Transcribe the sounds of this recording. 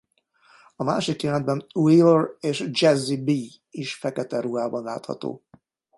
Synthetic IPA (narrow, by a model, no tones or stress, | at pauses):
ɒma̰ːʃikjɛlɛnd̪bɛnuioreːʃd͡ʒɛzːibi | iʃfɛkɛt̪ɛɾuɦaːbɒnla̰ːt̪hɒ̰t̪o̰ː